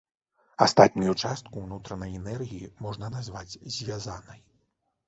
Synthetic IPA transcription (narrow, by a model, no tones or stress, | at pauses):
ast̪at̪nʲujut͡ʂast̪̚kunut̪ɾɐnɐjɛnɛrɣʲijimɔʐnɐnazvad͡zʲzʲvʲazanɐj